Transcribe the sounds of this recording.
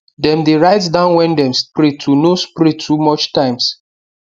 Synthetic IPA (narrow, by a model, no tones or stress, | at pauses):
dɛ̃mdeɹaɪtsdãʊ̃nwɛ̃ndɛ̃mspɹitʰunospɹitʰːumɔt͡ʃtãɪ̃ms